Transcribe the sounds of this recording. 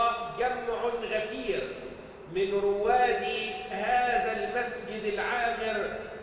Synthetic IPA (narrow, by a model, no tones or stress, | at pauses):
d͡ʒamʕʊɣafiːɾ | mɪnɾʊwaːd̪ihaːðalmasd͡ʒɪd̪ɪlʕaːmɪɾ